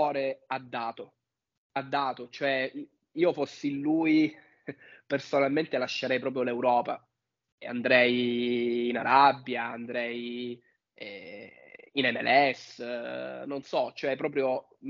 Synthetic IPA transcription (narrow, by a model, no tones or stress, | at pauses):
ɔːɾead̪ːaːt̪o | ad̪ːaːt̪ot͡ʃoɛ | iːofosːinluːji | personalment̪elaʃːeɾɛjpɾɔːp̬ɾjolewɾɔːpa | ea̰nd̪ɾɛjː | naɾabːjaand̪ɾɛj | ɛ̰ | inɛmɛ̰lɛs | nonsɔt͡ʃoɛpːɾɔːpɾjo